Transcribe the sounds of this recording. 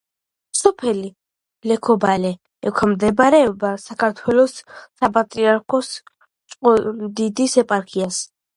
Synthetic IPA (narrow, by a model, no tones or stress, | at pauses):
sɔpʰɛli | lɛkʰɔbalɛ | ɛkʰamd̪ɛbaɾɛɔbasakʰaɾt̪ʰwɛlɔsːapʼat̪ʼɾiaɾkʰɔs | t͡ʃʼqʼɔmd̪id̪isɛpʼaɾkʰias